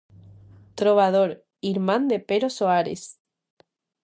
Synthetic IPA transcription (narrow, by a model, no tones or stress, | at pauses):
t̪ɾoβað̞oɾ | iɾmãnd̪epeɾosoaɾḛs